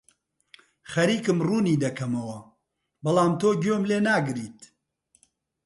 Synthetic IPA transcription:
xɐɾiːkɨmruːniːd̪ɐkʰɐmɐwɐ | bɐlaːmt̪oːɡjoːmleːnaːɡɨɾiːt̪

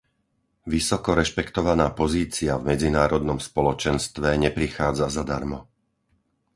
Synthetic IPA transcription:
ʋisɔkɔɾɛʃpɛkt̪ɔʋanaːpɔziːt͡siavmɛd͡zinaːɾɔd̪nɔmspɔlɔt͡ʃɛnst̪ʋɛɲɛpɾixaːd͡zazad̪aɾmɔ

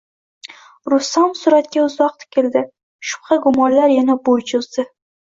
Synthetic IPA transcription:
ɾʊst̪amsʊɾat̪̚kʲaʊzɒq̚t̪kʲʰeld̪ɪ | ʃʊ̥pχɑɡʊmɒllaɾjanabojt͡ʃʰʊzd̪ɪ

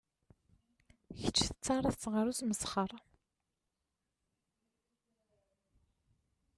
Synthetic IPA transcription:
çət͡ʃːθə̥t͡sːɑɾˤəθt͡sːʁəɾusməsχəɾˤ

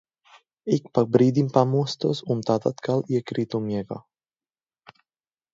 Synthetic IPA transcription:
ikpak̚bɾiːd̪impamust̪osunt̪at̪at̪kaljekɾit̪omjɛɡa̰

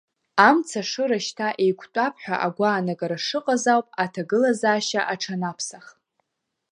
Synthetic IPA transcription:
amt͡sʰaʂɨɾaʃtʰaʔe̞jkʷʰtʷʼapʰħʷᶣa̰ʔaɡʷaːnaɡaɾaʂɨqʼazawpʼatʰaɡɨlazaːʃaʔaʈ͡ʂʰanapʰsaχ

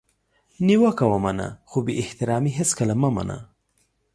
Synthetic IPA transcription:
niwakawamana̰xobeʔɪht̪ɪɾɑmiɦɪskalamama̰na̰

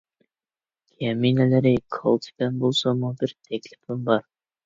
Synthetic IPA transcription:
kʰʲæminælæɾɪkʰolˠt̪ʰbænbolˠsɑmubɪɾt̪ʰæklɪfɪmbɑɾ

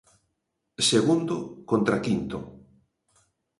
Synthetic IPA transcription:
seɣund̪ʊkont̪ɾakint̪ʊ̰

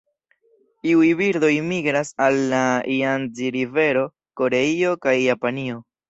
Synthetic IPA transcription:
tiujbiɾd̪o̞jmiɡɾasalːaianziɾive̞ɾo̞ | ko̞ɾe̞io̞kajːapanio̞

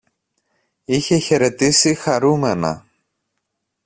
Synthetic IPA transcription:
içe̞çe̞ɾe̞t̪isixɐɾume̞nɐ̰

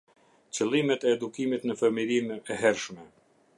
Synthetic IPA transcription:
t͡ɕəlˠimɛt̪ɛːd̪ukimit̪nəfəmiɾimɛɦɛɾʃmɛ

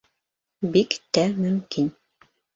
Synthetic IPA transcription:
bikt̪æmɵ̆mkin

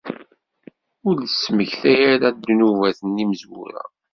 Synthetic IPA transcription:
ʊɾəsːməçθæjæɾæd̪ːnuvæθənːiməzwṵɾæ̰

